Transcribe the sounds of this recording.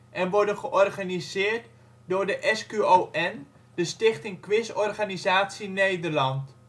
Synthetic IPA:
ʔɛnʋɔɹdənχəʔɔrχanizɪːɹt | dʊːɹdəʔɛskyoʔɛn | dəstɪχtɪŋkʋɪsɔrχanizaːtsinejdərlɑnt

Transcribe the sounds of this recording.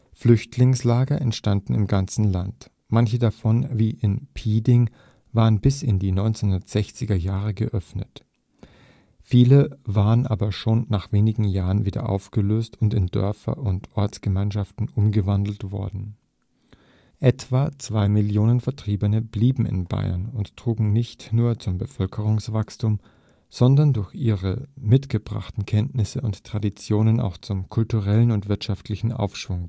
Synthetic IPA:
flʏçtʰlɪŋslaːɡɐʔɛntʃtandn̩ɪmɡant͡sn̩lant | mançədafɔnviːʔɪnpʰiːdɪŋ | vaːʁənbɪsɪndiːnɔʏnt͡senhʊndɐtz̥ɛçt͡sɪɡɐjaːʁəɡəʔœfnət | fiːləvaːʁənʔa̰ːbɐʃoːnːaːχv̥eːnɪɡŋ̩jaːʁənviːdɐ̰ʔa̰ʊfɡ̥əløːstʰʊntɪndœ̰ɐfɐ̰ʔʊntʔɔɐt͡sɡ̥əmaɪnʃaftn̩ʔʊmɡəvandl̩tv̥ɔ̰ɐdn̩ | ʔɛtv̥at͡sv̥aɪmɪljoːnənfɛɐtʁ̥iːbənəbliːbm̩ɪ̰nba̰ɪɐ̰nʊnttʁ̥uːɡŋ̩nɪçtnuːɐt͡sʊmbəfœlkʰəʁ̞ʊŋsv̥akstʰuːm | z̥ɔndɐndʊɐçʔiːʁəmɪtɡ̥əbʁa̰χtn̩kʰɛntnɪsəʊntːʁ̥adit͡sjoːnənʔa̰ʊxt͡sʊmkʰʊltuʁɛlənʊntv̥ɪɐtʃaftʰlɪçn̩ʔa̰ʊfʃv̥ʊŋ

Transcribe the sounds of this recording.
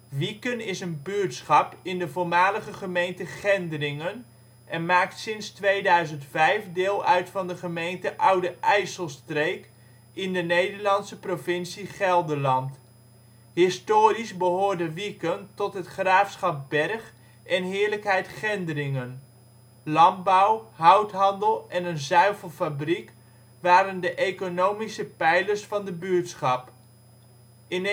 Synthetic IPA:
ʋikənɪsənbytsχɑpɪndəvʊːɹmaːləχəχəmejntəχɛndərɪŋən | ʔɛnmaːk̚tsɪnstʋejdœɥzəntfɛjfdɪːlˠœɥtfɑndəχəmejntəʔʌwdəʔɛjsəlˠstrejk | ɪndənejdəɹlɑnsəprovɪnsiχɛlˠdəlɑnt | hɪstoːɾizbəɦoːɹdəʋikəntɔtɦətχraːfsχɑp̚bɛrχ | ɛnɦɪːɹləkɦɛjtχɛndərɪŋən | lɑn̚bɔwɦʌwtɦɑndəlˠɛnənzœɥvəlˠfabrik | ʋaːɾəndəʔejkonowmisəpɛjləɹsfɑndəbytsχɑp | ɪn

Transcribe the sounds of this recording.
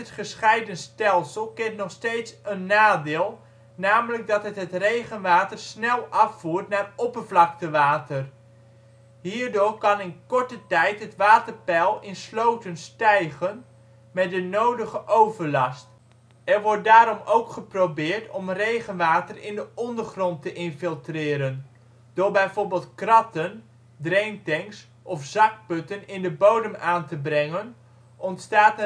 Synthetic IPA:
ətχəsχɛjdənstɛlˠsəlˠkɪntnɔχstejtsənːaːdɪːlˠ | naːmələɡ̚dɑtɦətɦətrejχənʋaːtərsnɛlˠʔɑfuːɹtnaːrɔpərvlɑk̚təʋaːtər | ɦiːɹdʊːɹkɑnɪnkɔɹtətɛjtɦətʋaːtərpɛlˠɪnslowtənstɛjχən | mɛt̚dənowdəχəʔowvəɹlɑst | ɛɹʋɔɹt̚daːɾɔmowkχəprowbɪːɹtɔmrejχənʋaːtərɪndəɔndəɹχrɔntəʔɪnfɪlˠtrɪːɾən | d̥oːɹbɛjvoːɹbɪːlˠt̚krɑtən | drejntɛŋs | ʔɔfz̥ɑk̚pɵtənɪndəbowdəmaːntəbrɛŋən | ʔɔntstaːt

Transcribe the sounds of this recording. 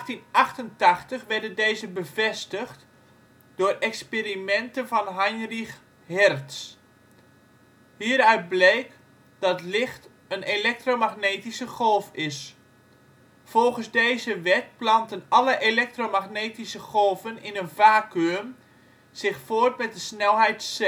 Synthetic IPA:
xtinɑxtəntɑxtəχʋɛrdəndeːzəbəvɛstəxt | dʊːrɛkspeɾimɛntənvɑnɦajnrix | ɦɛrts | hiːəɾœɥt̚blejk | d̥ɑtlɪxt | ənelɛk̚tromaɣneːtisəχolˠfɪs | folˠχənzdejzəʋɛtplɑntənɑləʔelɛk̚tromaxneːtisəχolˠvənɪnənvaːkøːm | z̥ɪxfoːərt̚mɛt̚dəsnɛlˠɦɛjts

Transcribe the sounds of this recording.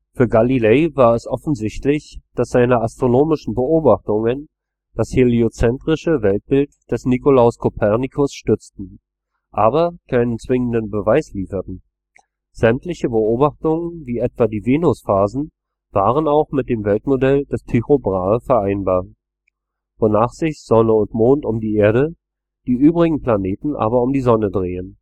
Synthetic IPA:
fyːɐɡalileɪvaːɐɛsʔɔfn̩zɪçtlɪçd̥asz̥aɪnəastʁ̥onoːmɪʃn̩bəʔoːbaχtʊŋən | d̥asheleot͡sɛntʁ̥ɪʃəvɛlt̚b̥ɪltd̥ɛsnikolaʊskʰopʰɛʁnikʰʊsʃtʏt͡stn̩ | ʔaːbɐkʰaɪnənt͡sv̥ɪŋəndənbəvaɪsliːfɐtn̩ | z̥ɛmtlɪçəbəoːbaχtʊŋənviːʔɛtv̥adiːveːnʊsfaːzn̩ | v̥aːʁ̞ənaʊχmɪt̚d̥eːmvɛltmodɛld̥ɛstʰiʁobʁaːfɛɐʔaɪnbaːɐ | vonaːχz̥ɪçz̥ɔnəʊntmoːntʊmdiːʔeːɐɾə | d̥iːʔyːbʁɪɡŋ̩pl̥aneːtn̩ʔa̰ːbɐʊmdiːzɔnədʁeːən

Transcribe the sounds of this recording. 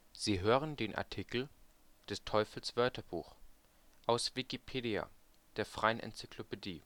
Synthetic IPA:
z̥iːɦøːʁəndeːnʔa̰ɐtʰikl̩ | d̥ɛstʰɔʏfl̩sv̥œɐtɐb̥ṵːx | ʔaʊsv̥ikipʰeːdia̰ | d̥eːɐfʁ̥aɪənʔɛ̰nt͡sy̥kʰlopediː

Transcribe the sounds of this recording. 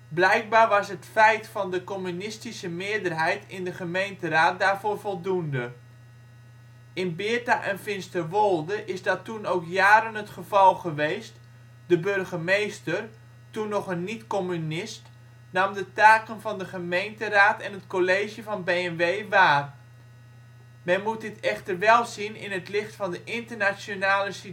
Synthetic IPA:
blɛjk̚baːrʋɑsɦətfɛjtfɑndəkomynɪstisəmɪədərɦɛjtɪndəχəmejntəraːt̚daːrvoːɹvɔlˠdundə | ɪnbɪətaʔɛnfɪnstərʋolˠdəʔɪzdɔtunowkjaːɾənɦətχəv̥ɑlˠχəʋejst | dəbørχəmejstər | tunːɔχənːitkɔmynɪst | naːmdətaːkənvɑndəχəmejntəraːtɛnətkoleːʒjəvɑnbejɛnʋeːʋaːr | mɛnmut̚dɪtɛχtərʋɛlˠzinɪ̰nətlɪχtfɑndəʔɪntərnasjonaːləsi

